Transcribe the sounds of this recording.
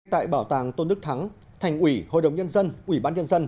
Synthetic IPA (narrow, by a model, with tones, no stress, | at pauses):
t̪a̰ː˧˨jɓaː˧˩wt̪aː˨˩ŋt̪o˧nɗɨ˦˥k̚t̪ʰa˨˦ŋ | t̪ʰa˨˩jŋ̟ʔwi˧˩ho̰˧˨jɗə˨˩wŋ͡mɲə˧nzə˧nʔwi˧˩ɓaː˧nɲə˧nzə˧n